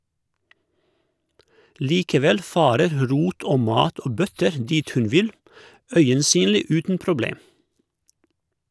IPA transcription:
ˈliːkəˌʋɛl ˈfɑːɾəɾ ˈɾuːt ˈoː ˈmɑːt ˈoː ˈbœtəɾ ˈdiːt ˈhʉn ˈʋɪl ˈœʏənˌsyːnliː ˈʉːtn̩ pɾʊˈbleːm

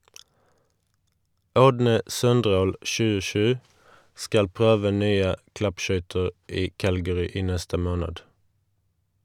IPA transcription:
ˈɔdnə ˈsœnˌdʁoːl ʃʉːəˈʃʉː ˈskɑl ˈpʁøːʋə ˈnyːə ˈklɑpˌʃœʏtəʁ ˈiː ˈkælɡəʁʏ ˈiː ˈnɛstə ˈmoːnəd

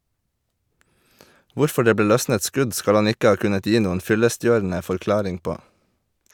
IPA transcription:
ˈʋʊɾfɔ ˈɖeː ˈbeː ˈlœsnət ˈskʉɟ ˈskɑl ˈɑn ˈɪkə ˈɑː ˈkʉnət ˈjiː ˈnuːən ˈfʏləˌstjøːɾn̩ə fɔɾˈklɑːɾɪŋ ˈpoː

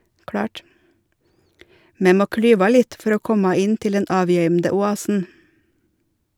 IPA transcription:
ˈmeː ˈmoː ˈklyːʋɑ ˈlɪt ˈfɔɾ ˈoː ˈkɔmɑ ˈɪn ˈtɪl ˈdɛn ˈɑːˌʋjœʏmdə ʊˈɑːsn̩

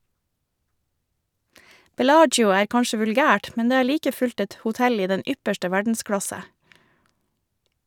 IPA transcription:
bɛˈlɑːd͡ʒjʊ ˈæːɾ ˈkɑnʃə ʋʉlˈɡæːʈ ˈmɛn ˈdeː ˈæːɾ ˈliːkə ˈfʉʎt ˈɛt hʊˈtɛl ˈiː ˈdɛn ˈʏpəʃʈə ˈʋæɖn̩ˌskɽɑsə

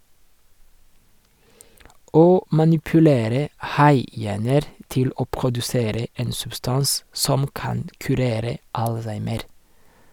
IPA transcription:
ˈoː mɑnɪpʉˈleːɾə ˈhɑɪˌjæːnəɾ ˈtɪl ˈoː pʁʊdʉˈseːɾə ˈeːn sʉbˈstɑns ˈsɔm ˈkɑnd kʉˈɾeːɾə ˈɑlˌsæɪməɾ

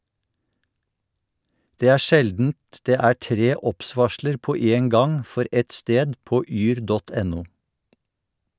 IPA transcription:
ˈdeː ˈæː ˈʃɛldn̩t ˈdeː ˈæː ˈʈɾeː ˈɔpˌsʋɑʃləɾ ˈpoː ˈeːn ˈɡɑŋ ˈfɔɾ ˈʔɛt ˈsteːd ˈpoː ˈyːɾ ˈdɔt ˈɛnʊ

